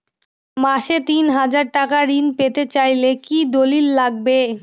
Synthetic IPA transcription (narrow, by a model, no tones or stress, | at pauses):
maʃet̪inɦad͡ʑaɾʈakaɾinpet̪et͡ɕajlekid̪olilːaɡ̚be